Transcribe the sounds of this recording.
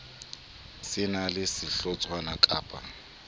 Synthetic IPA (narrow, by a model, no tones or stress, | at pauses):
sɪnalɪsɪɬɔt͡sʼwanakʼaːpʼa